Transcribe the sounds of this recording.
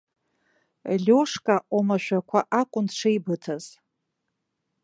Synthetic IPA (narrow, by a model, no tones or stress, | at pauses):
lʲoʂkʼaʔomaʃᶣakʷʰaʔakʷʼʊnʈ͡ʂʰejbɨtʰaz̥